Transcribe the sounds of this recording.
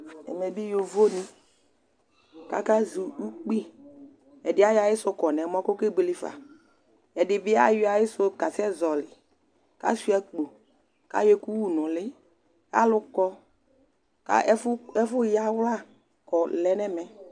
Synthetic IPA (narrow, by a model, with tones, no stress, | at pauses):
ɛ̰˨mɛ˨bi˦jo˨vo˦nĩ˦ | ka̰˦ka˦zu˨u˦k͡pi˦ | ɛ˨dɪ˨˦a˦ja˨jɪ˦sʊ˦kɔ˨nɛ˨˦m˦ɔ˦ko˦ke˦ɡ͡be˨lɪ˦fa̰˨ | ɛ˨dɪ˨bɪ˦a̰˦jo˦a˨jɪ˦sʊ˦ka˨sɛ˦zɔ˨lɪ˨ | ka̰˦su˦ɛ˦k͡po˨ | ka̰˦je˦ku˦wu˦˨nʊ̃˨lɪ˦ | a̰˦lʊ˦kɔ˦ | ka̰˦fɛ˦fʊ˦ja˨wla˦ | kɔ˨lɛ˦nɛ˦mɛ˨